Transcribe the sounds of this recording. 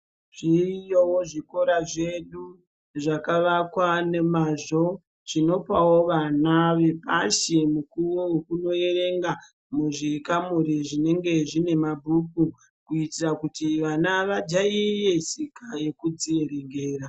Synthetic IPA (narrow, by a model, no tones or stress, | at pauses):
ʐ̥ijowoʐiko̞ɾaʐe̞ɗu | ʐakaʋakwanemaʐo̞ | ʐ̥ino̞pawo̞ʋanaʋe̞paʃemukuwowekuno̞e̞re̞ŋɡa | muʐikamuɾiʐine̞ŋɡe̞ʐine̞mabʱuk̚u | kuitirakutiʋanaʋad͡ʒaije̞sikaje̞kud͡zie̞ɾe̞ŋɡe̞ːɾa